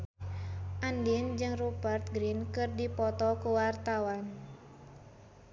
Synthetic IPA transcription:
ʔandind͡ʒɨŋrubərt̪̚ɡɾinkɨrdipɔt̪ɔkuwart̪awan

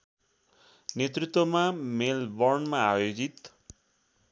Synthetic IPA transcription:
net̪rit̪wʌmamelbʌrnmaajod͡zit̪

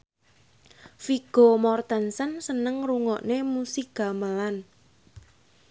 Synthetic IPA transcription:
fiɡ̥o̤mɔrt̪ənsənsənəŋruŋɔʔnemusiɡ̥a̤məlan

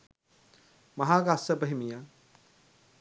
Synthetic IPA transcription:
mɐɦaːɡaːsɐpɐɦimija

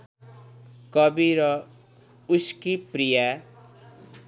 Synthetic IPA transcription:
kʌbiɾʌ | uskipɾija

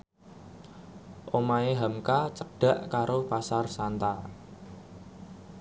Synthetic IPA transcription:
ʔomaeɦamkat͡ʃək̚ɖ̥ä̤ʔkaɾopasarsant̪a

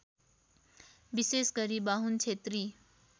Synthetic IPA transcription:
bisesɡʌɾibaɦunt͡ʃʰet̪ɾi

